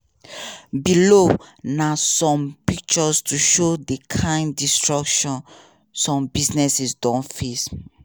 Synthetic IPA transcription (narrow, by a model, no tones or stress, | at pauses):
bilonasɔ̃mpik̚t͡ʃɔstʰuʃodekʰãɪ̃ndistɹakʃɔ̃n | sɔ̃mbisnɛsisdɔ̃nfis